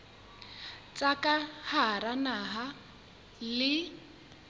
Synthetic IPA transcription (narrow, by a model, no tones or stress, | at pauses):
t͡sʼakʼaharanaɦa | lɪ